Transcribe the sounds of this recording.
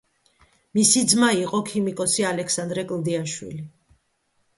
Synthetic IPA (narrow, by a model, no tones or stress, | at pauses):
misid̪zmaiqʼɔkʰimikʼɔsialɛkʰsand̪ɾɛkʼld̪iaʃwḭli